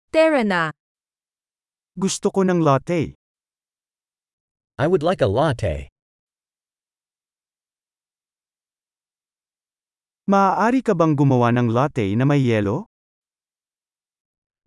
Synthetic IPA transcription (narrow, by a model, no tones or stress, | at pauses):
t̪ɛɹɐna | ɡʊst̪okonɐŋlaːt̪ɛj | ʔajwʊdlaɪkəlɑtʰḛɪ | mɐaːʔaːɾikɐbɐŋɡʊmɐwanɐŋlat̪ɛjnɐmɐjːɛːlo